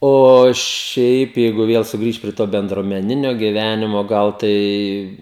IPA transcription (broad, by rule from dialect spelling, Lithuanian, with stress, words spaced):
oː ˈʃʲɛɪp ˈjɛɪɡʊ ˈʋʲiɛlˠ sʊˈɡrʲiːʃt pʲrʲiɛ ˈtoː bʲɛndruɔmʲɛˈnʲɪnʲoː ɡʲɪˈʋʲænʲɪmoː ˈɡɐlˠ ˈtɐɪ